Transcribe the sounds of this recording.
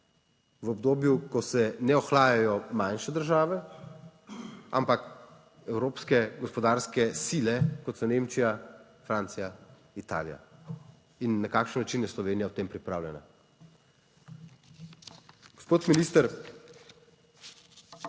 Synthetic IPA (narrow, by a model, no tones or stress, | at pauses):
ʋɔbd̪oːbjukɔsɛnɛɔxlaːjajɔmanʃɛd̪əɾʒaːʋɛ | a̰mpak | ɛwɾoːpskɛɡɔspɔd̪aːɾskɛsiːlɛkɔt̪sɔneːmt͡ʃija | fɾaːnt̪sija | it̪a̰ːlija̰ | inːakaːkʃənːat͡ʃinjɛslɔʋeːnijawt̪eːmpɾipɾaːwlʲjɛna̰ | ɡ̥ɔspoːt̪miniːst̪əɾ